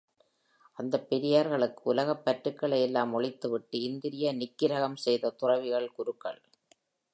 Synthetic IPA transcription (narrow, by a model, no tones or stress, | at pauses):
ʔɐnd̪ɐpːɛɾɪjaːɾɣɐɭɯkːɯ̥ʊlɐɣɐpːɐʈɾɯkːɐɭɐjɛlːaːmɔɭɪt̪ːɯʋɪʈːɯɪnd̪ɪɾɪjɐnɪkːɪɾɐɣɐmsɛjðɐt̪ʊrɐʋɪɣɐɭkʊɾɯkːɐ̰ɭ